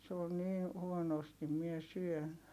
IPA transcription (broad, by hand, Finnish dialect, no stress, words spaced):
se on̆ niːn huonostim mie syøn